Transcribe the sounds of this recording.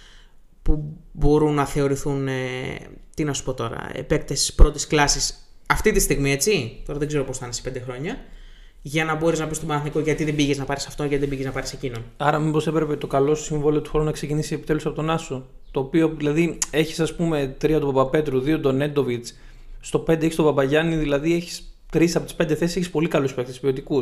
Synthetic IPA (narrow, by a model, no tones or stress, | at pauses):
pubo̞ɾunːɐθe̞o̞ɾiθunet̪inɐsu̥po̞t̪o̞ɾɐ̰ḛpe̞kt̪esspɾo̞t̪isklɐsis | ɐft̪it̪ist̪iɣmie̞t͡sit̪o̞ɾɐðeɡze̞ɾo̞po̞sθɐnesi̥ped̪e̞xɾo̞ɲɐ | ʝɐnɐbo̞ɾiznɐpist̪obɐnɐθnikoʝɐt̪iðebiʝeznɐpɐɾisɐft̪onʝɐt̪iðebiɣeznɐpɐɾise̞cino̞nɐɾɐmibo̞se̞pɾe̞pe̞t̪o̞kɐlo̞st̪osiɱvo̞liot̪uxo̞ɾunɐkse̞cinisiepi̥t̪e̞lusɐpo̞t̪o̞nɐso | t̪o̞ːpioðilɐðie̞çi̥sɐspume̞t̪ɾiɐt̪upɐbɐpe̞t̪ɾuðio̞d̪o̞ne̞nd̪o̞vit͡s | st̪o̞pe̞nd̪eçist̪opɐbɐʝɐniðilɐðie̞çi̥st̪ɾisɐpo̞t̪i̥spend̪e̞θesiseçispo̞likɐluspe̞k̚t̪espio̞t̪iku